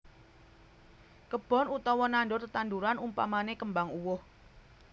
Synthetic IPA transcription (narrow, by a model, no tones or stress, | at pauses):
kəb̥ɔ̤nut̪ɔwɔnanɖʊrt̪ət̪and̪uɾanumpa̰manekəmbaŋuwʊh